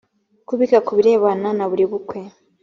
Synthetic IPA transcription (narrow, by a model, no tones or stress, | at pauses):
kuβikakuβiɾe̞ːβananaβuɾiβukwe̞